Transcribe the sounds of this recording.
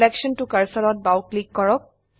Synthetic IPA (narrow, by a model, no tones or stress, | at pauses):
lɛkʃənʈukɐɾsəlɔt̪̚bawklikːɔɹɔk̚